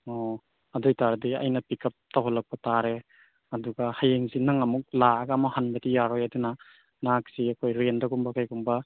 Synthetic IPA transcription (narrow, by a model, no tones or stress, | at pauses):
ɔ | ɐdɔjtaɾdia̰jnɐpikɐp̚tawɦɔlɐk̚pɐtaɾe | ɐduɡahajeŋzinaŋɐmuk̚laːɡamahanbɐdijaɾɔjaduna | nak̚siɐkʰojɾendɐɡumbɐkʰajkumbɐ